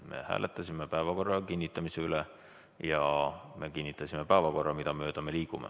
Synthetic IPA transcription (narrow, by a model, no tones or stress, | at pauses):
me̞̰hæ̰ːlʔet̪ːˑɑsʲimepæevɑko̞rːɑkinʲːit̪ːˑɑmiseyle | jɑme̞kinʲːit̪ːˑɑsimepæːvɑko̞rːɑmid̪̥ɑmø̞ːd̪̥ɑme̞liːkumḛ